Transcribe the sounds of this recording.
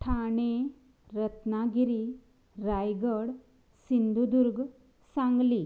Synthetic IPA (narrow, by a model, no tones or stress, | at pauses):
ʈʰaɳe | ɾət̪naɡiɾi | ɾajɡəɽ | sind̪ʱud̪uɾɡ | sãŋɡli